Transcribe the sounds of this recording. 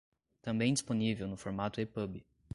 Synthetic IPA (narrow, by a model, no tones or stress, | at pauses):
t̪ɐ̃mbẽj̃d͡ʒisponivewnʊfoɾmat̪ʊepəbi